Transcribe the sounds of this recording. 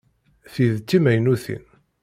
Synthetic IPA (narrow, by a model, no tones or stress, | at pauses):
θiðt͡sːimæjnuθḭn